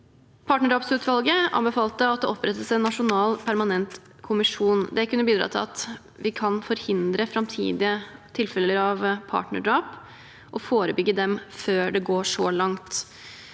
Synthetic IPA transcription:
pʰɑːʈnəɖɑːpsʉːt̪ʋɑlɡəʔɑ̰mbɛfɑːlt̪əɑt̪̚d̪ɛɔpɾɛt̪ːəsɛnːɑʂʊnɑːlpʰæɾmɑnɛnt̪ | kʰʊmɪʂuːnd̪ɛkʉnːəbiːd̪ɾɑ̰ːt̪ʰɪlɑ̰t̪ | ʋɪkʰɑnfɔɾhɪnd̪ɾəfɾɑmt̪ʰḭːd̪ɪət̪ʰɪlfɛləɾɑʋpʰɑ̰ːʈnə̰ɖɑːp | ʔɔfoːɾəbʏɡːəd̪ɛmføːɖɛɡoːʂɔlɑŋt̪

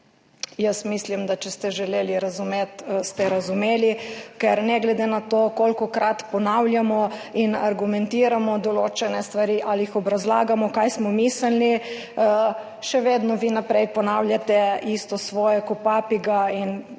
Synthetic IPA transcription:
jəsmislimd̪at͡ʃɛst̪ɛʒɛleːliɾazumeːt̪st̪ɛɾazumeːlikɛɾnɛɡlɛd̪enat̪oːkolkɔkɾat̪pɔnawlʲjamɔinaɾɡumɛnt̪iːɾamɔd̪ɔloːt͡ʃɛnɛst̪ʋaɾiːʔalijixɔbɾazla̰ːɡamɔkajsmɔmiːslni | ʃɛʋeːd̪nɔʋiːnapɾɛjpɔnaːwlʲjat̪ɛist̪ɔsʋɔːjɛkɔpaːpiɡain

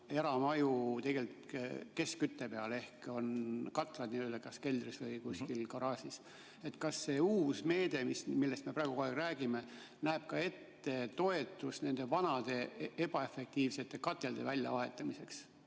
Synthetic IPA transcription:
eɾɑmɑjut̪e̞ɡ̥e̞lʲt̪ke̞skyt̪ːepeɑle̞hko̞nkɑt̪ːˑlɑd̪niøld̪ɑkɑske̞ld̪risvɤjkusʲkilkoɾɑːsis | e̞t̪ːˑkɑsːe̞uːsme̞ːd̪̥e̞mismilːe̞st̪me̞pɾɑˑeɡukoeɡræːɡime̞ | næːb̥̚kɑe̞t̪ːe̞t̪o̞e̞t̪ːˑusne̞nd̪̥e̞vɑnɑd̪̥e̞e̞b̥ɑe̞fek̚t̪iːvse̞t̪ːˑe̞kɑt̪ːˑe̞ld̪̥e̞̰vælʲjɑ̰vɑɦe̞t̪ˑːɑmise̞ks

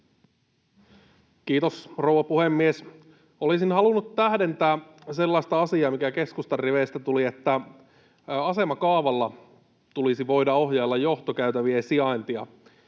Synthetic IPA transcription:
kiːt̪osrowʋɑpuhemːies | olisinhɑlunːut̪tæhde̞nt̪æːse̞lːɑist̪ɑɑsiɑːmikæke̞skust̪ɑrːeʋeːst̪æt̪uliet̪ːæ | ɑse̞mɑkɑːʋɑlːɑ | t̪ulisiʋo̞jdɑoɦjɑlːɑjjoht̪okæyt̪æʋiesiɑint̪iɑ

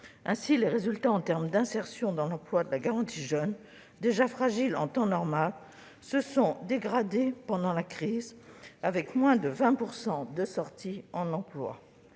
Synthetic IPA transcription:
ɛ̃sileʁezylt̪aɑ̃t̪ɛʁmd̪ɛ̃sɛʁsjɔ̃d̪ɑ̃lɑ̃plwad̪əlaɡaʁɑ̃t̪ʰiʒœn | d̪eʒafχaʒilɑ̰̃t̪ɑ̃nɔʁmal | səsɔ̃d̪eɡʁad̪epɑ̃d̪ɑ̃lakχizavɛkmwɛ̃d̪əvɛ̃puʁsɑ̃d̪əsɔʁt̪ʰiɑ̃nɑ̃plwa̰

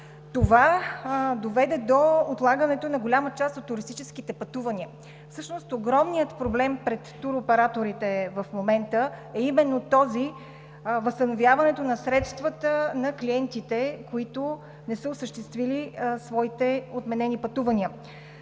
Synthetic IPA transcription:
t̪ova | d̪ovɛd̪ɛd̪oːt̪lˠaɡənɛt̪onɐɡolʲamət͡ʃast̪ot̪ːʊɾist̪it͡ʃɛsk̟it̪ɛpɐt̪uvɐnʲiə | fsɤʃnost̪oɡɾɔmnijət̪pɾoblɛmpɾɛt̪ːuɾopɛɾat̪oɾit̪ɛvɐfmomɛnt̪əɛimɛnːot̪ɔzi | vəst̪ɐnovʲjavɐnɛt̪onɐsɾɛt̪st̪vət̪ənɐkliɛnt̪it̪ɛkoit̪o | nɛsəosəʃt̪ɛst̪vilisvɔit̪ɛot̪mɛnɛnipɐt̪uvɐniə

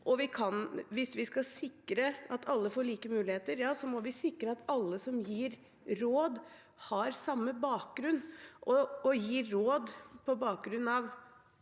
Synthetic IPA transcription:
ʔɔʋɪkʰɑnʋɪsʋɪskɑsɪkɾəʔɑt̪ʰɑlːəfɔːɭiːkəmʉːlɪheːt̪əɾjɑːsɔmɔʋɪsɪkːɾəɑt̪ɑlːəsɔmjiːɾ | ɾoːd̪ | hɑɾsɑmːəbɑːk̚ɡɾʉnːʔɔɔjiːɾoːd̪pʰɔbɑːk̚ɡɾʉnːɑʋ

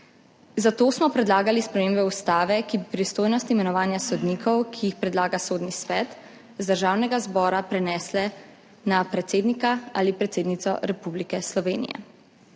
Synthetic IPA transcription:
zat̪oːsmɔpɾɛd̪laːɡalispɾɛmeːmbɛust̪aːʋɛkibipɾist̪oːjnɔst̪imɛnɔʋaːnjasɔd̪niːkʰɔwkʰiːxpɾɛd̪laːɡasoːd̪nisʋɛːt̪ | zd̪əɾʒaːwnɛɡazbɔːɾapɾɛnɛːslɛ | napɾɛt̪seːd̪nikaa̰lipɾɛt̪seːd̪nit̪sɔɾɛpublikɛslɔʋeːnḭjɛ̰

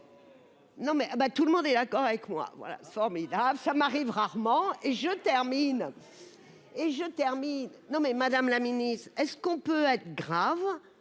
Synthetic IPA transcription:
nɔ̃mɛʔabat̪uləmɔ̃d̪ɛd̪akɔʁavɛkmwa̰vwa̰la̰sɛ̥fɔʁmid̪abləsamaʁivʁaʁmɑ̃eʒət̪ɛʁmin | eʒət̪ɛʁminnɔ̃mɛmad̪amlaminist̪χɛskɔ̃pøɛt̪χəɡʁav

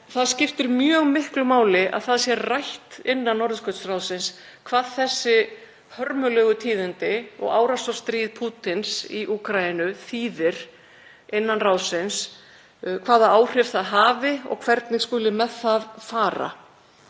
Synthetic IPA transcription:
θaðscɪft̪ɪɾmjœːɣmɪhklʏmaːwlɪʔa̰ðθaðsjɛrajht̪ɪnːanːɔɾðʏskʰœt̪srawsɪns | kʰvaːðθɛsːɪ | hœɾmʏlœɣʏt̪ʰiːðɪnt̪ɪɔ̰ɣa̰ːwɾasɔ̥st̪ɾiːðpʰuːt̪ɪnsiʔuːkɾaɪnʏθiːðɪɾ̥ | ɪnːanraːwsɪns | kʰvaːðaaːwr̥ɪft̪θaðɦaːvɪɔ̰ɣkʰv̥ɛɾt̪nɪɣskʏːlɪmɛðθaðfaːɾa̰

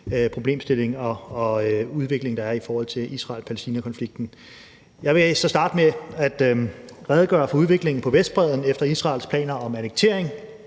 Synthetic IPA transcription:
pʰʁo̝b̥le̝ːmsd̥e̝le̝ŋɒ̽ː | uð̞ˠʋe̝ɡ̥le̝ŋd̥ɑ̈æɐifɒːhɒ̽l̰t͡sʰe̝ʔisʁɑ̰̈ːlpʰælesd̥iːnækʰɒ̽nfliɡ̥̚d̥n̩ | jɑ̈ɪʋe̝sɒ̽sd̥ɑ̈ːd̥meæd̥ʁɛð̞ˠɡ̥ɶ̰ːɐfɒ̽uð̞ˠʋe̝ɡ̥le̝ŋn̩pʰɒ̽ʋesd̥̚b̥ʁɛð̞ˠn̩efd̥ɐisʁɑ̈ːlspʰlɛ̰ːnɐɒ̽mæneɡ̥̚t͡sʰe̝ɐ̰eŋ

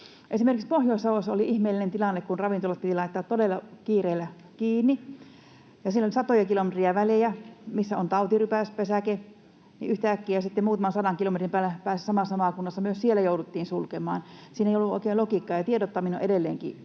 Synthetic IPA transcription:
ʔesimerkikspohjoˑisɑʋosːoliʔihmeːlːˑinent̪ilɑnːekkunrɑʋint̪olɑt̪̚pit̪ilɑit̪ːɑːt̪t̪odelːˑɑkiːreːlːˑæ | kiːnːi | jɑsielːolisɑt̪ojɑkilomet̪riæʋælejæmisːæo̰nt̪ɑut̪irypæˑspesæke | nḭyht̪æːkːiːjɑsit̪ːemmuːt̪ɑmɑnsɑdɑŋkilomet̪rimpæːlæpæːssɑmɑsɑmɑˑkunːɑsːɑmyøssielːæjoudut̪ːiːnsulkemˑɑ̰ːnsiːneˑijolːuo̰ˑikeːlokikːɑːjɑt̪iedot̪ːɑmino̰ʔedelːḛːŋkḭ

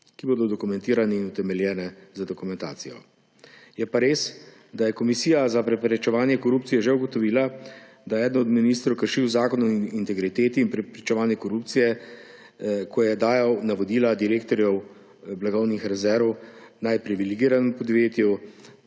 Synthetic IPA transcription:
kiboːd̪ɔd̪ɔkumɛ̃nt̪iːɾanɛinut̪ɛmɛljɛːnɛzad̪ɔkumɛ̃nt̪a̰ːt̪sijɔ̰ | jɛpaɾeːs | d̪ajɛkɔmisiːjazapɾɛpɾɛt͡ʃɛʋaːnjɛkɔɾuːp̚tsijɛʒɛuɡɔt̪ɔʋiːla | d̪ajɛɛːd̪nɔd̪miniːst̪ɾowkəɾʃiwzaːkɔnɔint̪ɛɡɾit̪eːt̪iːnpɾɛpɾit͡ʃɛʋaːnjɛkɔɾupt̪sijɛ | kʰɔjɛd̪aːjawnaʋɔd̪iːlad̪iɾeːkt̪ɔɾjɛw | blaɡɔwnixɾɛzɛɾʋɔwnajpɾiʋiliɡiːɾanɛmpɔd̪ʋeːt̪ju

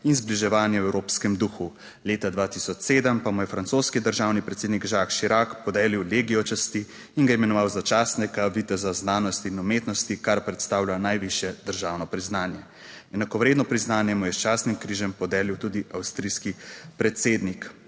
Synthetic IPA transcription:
inzbliʒɛʋaːnjɛwɛwɾoːpskɛmd̪uxu | leːt̪ad̪ʋaːt̪isɔt͡ʃseːd̪əmpamujɛfɾant̪soːskid̪əɾʒaːwnipɾɛt̪seːd̪niɡʒaːkʃiɾakpɔd̪ɛːliwleːɡiɔt͡ʃast̪iː | nɡaimɛnɔʋawzat͡ʃaːsnɛkaʋit̪ɛzaznaːnɔst̪iːnumeːt̪nɔst̪ikaɾpɾɛt̪st̪aːwlʲanajʋiʃjɛd̪̥əɾʒaːwnɔpɾiznaːnjɛ | ɛnakɔʋɾeːd̪nɔpɾiznaːnjɛmujɛst͡ʃaːsnimkɾiːʒɛmpɔd̪ɛːliwt̪uːd̪iawst̪ɾiːskipɾɛt̪seːd̪nik

